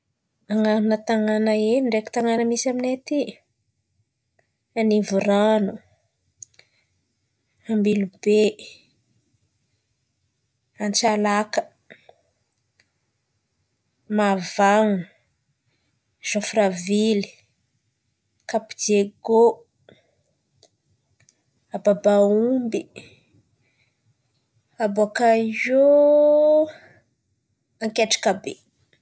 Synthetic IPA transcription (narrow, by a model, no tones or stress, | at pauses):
aŋanunət̪aŋanaeiɳɖ͡ʐeki̥t̪aŋanəmisaminet̪i | anivuɾanu | ambilube | ant͡ʃalakə̥ | mavaŋu | z̥ofɾavili̥ | kapid͡ʒeɡo | ababaumbi | aboakaizo | aŋkeʈ͡ʂḁkabe